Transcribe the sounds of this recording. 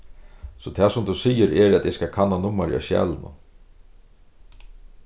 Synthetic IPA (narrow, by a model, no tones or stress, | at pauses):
sɔt̪ʰɛːsʊmd̪usiːjəɾɛɾɛt̪ɪskakʰanːanʊmːaɾɪ̰a̰ʃjɛ̰ːlənʊ̰